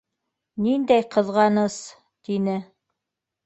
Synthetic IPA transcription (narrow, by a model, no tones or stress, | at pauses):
nind̪æjqʰɤ̆ðʁɑnɤs | t̪inɘ